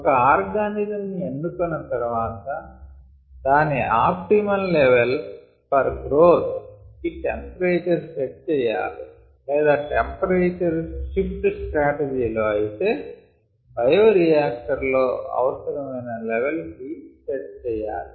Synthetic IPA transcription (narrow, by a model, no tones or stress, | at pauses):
ɔkɐaːɾɡaːnizɐmnienːukunːɐt̪ɐɾuʋaːt̪ɐ | d̪aːniaːp̚ʈimɐlleʋel | pɐɾɡɾoːt̪kiʈempɐɾeːt͡ʃɐɾseʈ̚t͡ʃɛːja̰ːlḭ | lɛːd̪aːʈempɐɾeːt͡ʃɐɾʃipʈsʈɾaːʈed͡ʒiːlo̞ːɐjit̪eː | bʱɐjoːɾijaːk̚ʈɐɾloːɐ̰ʋɐsɐɾɐmɐjnɐlɛʋelkiseʈ̚t͡ʃɛːjːa̰ːli